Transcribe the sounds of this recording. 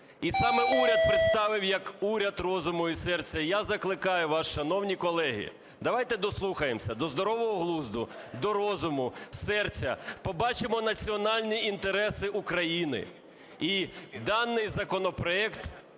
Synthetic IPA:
isɑmɛuɾʲɐt̪̚pɾɪt̪st̪ɑʋɪwjɐkuɾʲɐd̪rɔzʊmɔisɛrt͡sʲːɐijazɐklˠɪkɑjʊʋɑʃʃɐnɔwnʲikɔlˠɛɦḭ | d̪ɐʋɑjt̪ɛd̪ɔslˠuxɐjemsʲɐd̪ɔzd̪ɔɾɔʋɔɦɔɦlˠuzd̪ʊ | d̪ɔɾɔzʊmʊsɛrt͡sʲɐ̰pɔbɑt͡ʃɪmɔnɐt͡sʲiɔnɑlʲnʲiint̪eɾɛsɪʔukɾɐjinɪ̰ | id̪ɑnːɪjzɐkɔnɔpɾɔɛkt̪

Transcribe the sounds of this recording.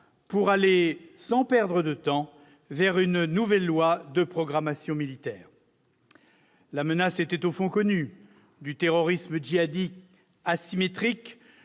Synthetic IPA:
puʁalesɑ̃pɛʁd̪ʁəd̪ət̪ɑ̃ | vɛʁynnuvɛlːwad̪əpχɔɡʁamasjɔ̃milit̪ɛːʁ | lamənaset̪ɛt̪ofɔ̃kɔny | d̪yt̪eʁɔʁisməʒiad̪ik | asimet̪χik

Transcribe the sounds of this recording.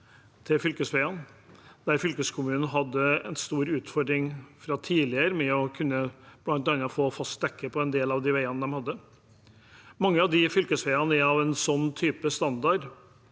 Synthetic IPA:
t̪ʰɪlfʏlkəsfæɪɑn | d̪̥æɾfʏlkəskʰʊmʉːnn̩ɦɑd̪ːəɛnst̪uːɾʉːt̪fɔɾɖ̪ɾɪŋfɾɑt̪ʰiːlɪəɾmɛɔkʰʉnːəb̥lɑnt̪ɑnɑfoːfɑst̪̚d̪ɛkːəpʰɔɛnd̪eːlɑʋd̪ɪʋæɪɑnəd̪ɛmhɑd̪ːə | mɑŋːəɑʋd̪ɪfʏlkəsʋæɪɑnəɛɑʋɛnsɔnːt̪ʰyːpəst̪ɑnd̪ɑɖ

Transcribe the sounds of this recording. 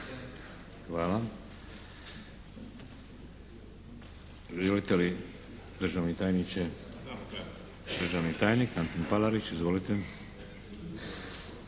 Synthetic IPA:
xʋaːla | ʒelit̪eli | d̪r̩ʒaʋnit̪aːjnit͡ʃe | d̪ɾʒaʋnit̪aːjnikant̪onpalaɾit͡ʃizʋolit̪e

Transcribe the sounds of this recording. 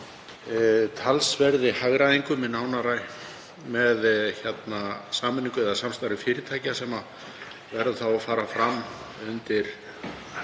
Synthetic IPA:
t̪ʰalsvɛɾðɪhaɣɾaðiŋkʏmɪnaːwnaɾaj | mɛðçɛt̪nasaːmʏnĩŋkʏɛðasamst̪ajɾɪfɪːɾɪt̪ʰaːjcasɛma | vɛɾðʏθawafaːɾafɾamː | ʏnt̪ɪɾ̥

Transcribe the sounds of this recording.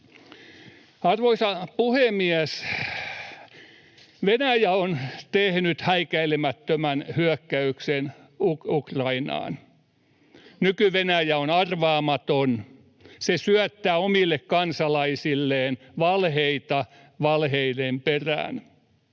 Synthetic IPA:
ɑrʋoisɑpuhemiæs | ʋenæjæont̪ehnyt̪hæikæilemæt̪ːømænhyœkːæyksen | ukukrɑinɑ̰ːn | nykyʋenæjæonɑrʋɑːmɑt̪on | sesyœt̪ːæːomilːekkɑnsɑlɑisilːeːn | ʋɑlɦeit̪ɑ | ʋɑlheidemperæ̰ːn

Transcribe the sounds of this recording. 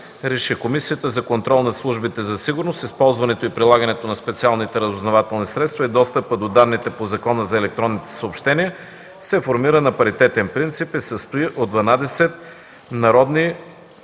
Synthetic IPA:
ɾɛʃikomisiət̪əzɐkont̪ɾɔlˠnɐslˠuʒbit̪ɛzɐsiɡʊɾnost̪ispɔlˠzvɐnɛt̪oipɾilˠaɡənɛt̪onɐspɛt̪sialˠnit̪ɛɾəzʊznovat̪ɛlˠnisɾɛt̪st̪vɐid̪ɔst̪əpəd̪od̪anːit̪ɛpozɐkɔnəzɐɛlɛk̚t̪ɾɔnːit̪ɛ̥səopʃt̪ɛniə | sɛfoɾmiɾənɐpɐɾit̪ɛt̪ɛnpɾint̪sipisəst̪oiʔod̪d̪vɐnad̪ɛsɛt̪̚ | nɐɾɔd̪ni

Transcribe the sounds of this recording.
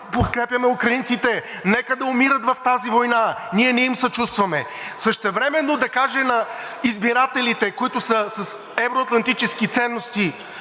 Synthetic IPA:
pot̪kɾɛpʲjɐmɛukɾɐint̪sit̪ɛ | nɛkəd̪ɐʊmiɾət̪vɐft̪azivojnaniɛnɛimsɐt͡ʃust̪vɐmɛ | səʃt̪ɛvɾɛmɛnːod̪ɐkaʒɛnɐ | izbiɾat̪ɛlit̪ɛkoit̪ʊsəsɐs | ɛvɾoɐt̪lˠɐnt̪it͡ʃɛskit̪sɛnːost̪i

